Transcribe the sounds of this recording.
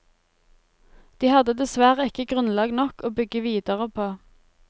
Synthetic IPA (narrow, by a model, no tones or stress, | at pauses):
d̪̥iːhɑd̪əd̪ɛsʋæːʁəɪkəɡʁʉnlɑːɡnɔkoːbʏɡəʋiːd̪əʁəpʰoː